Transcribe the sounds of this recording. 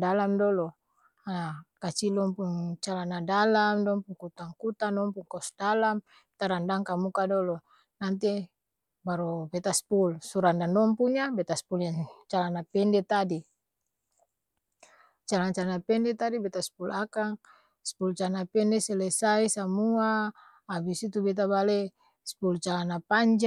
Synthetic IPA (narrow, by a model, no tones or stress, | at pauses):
dalamdɔlɔ | aakat͡ʃilɔmpuŋt͡ʃalanadalamdɔmpuŋkut̪aŋkut̪anɔmpuŋkɔsdalam | t̪aɾandaŋkamukadɔlɔ | nant̪̬i | baɾubɛt̪aspulsuɾandandɔmpuɲabɛt̪aspuljat͡ʃalanapɛndɛt̪adi | t͡ʃalaŋt͡ʃalanapɛndɛt̪adibɛt̪aspulakaŋ | spult͡ʃalanapɛndɛsɛlɛsaisamuaː | bisit̪ubɛt̪̬abale | spult͡ʃalanapaɲd͡ʒ